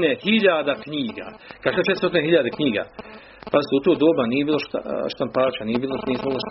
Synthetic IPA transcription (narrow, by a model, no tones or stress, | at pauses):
nehiʎaːd̪akɲiːɡa̰kaʃet̪t͡ʃet̪ɾsot̪ineɦiʎad̪ekɲiːɡa̰ | pazɪt̪eut̪oːd̪oːbanijebiːlˠoʃt̪a̰ʃt̪ampaːt͡ʃanijebiːloniːsmɡlaʃ